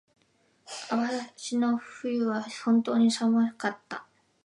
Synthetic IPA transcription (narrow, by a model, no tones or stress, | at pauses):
aβaɕino̞ɸɯ̟jɯ̟βahõ̞nt̪o̞ːɲ̟isamakat̪ːa̰